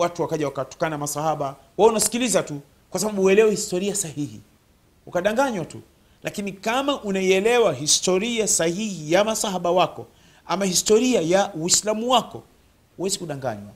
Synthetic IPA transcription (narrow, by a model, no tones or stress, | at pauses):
watuwakaʄawakatɔ̥kanamasahaɓa | waunasi̥kilizatu | kwasaɓaɓuɛlɛwɛhistɔɾiasahihḭ | ukaɗaŋɡaɲwatṵ | lʔakinikamaʔunaiɛlɛwaɦistɔɾiasahihijamasahaɓawakɔ | amahistɔɾiajawislamuwakɔ | uwɛzikuɗaŋɡa̰ɲwa